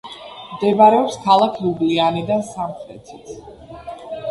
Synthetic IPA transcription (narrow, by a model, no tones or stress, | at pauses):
md̪ɛbaɾɛɔpskʰalˠakʰiublianid̪ansamχɾɛ̰t̪ʰit̪ʰ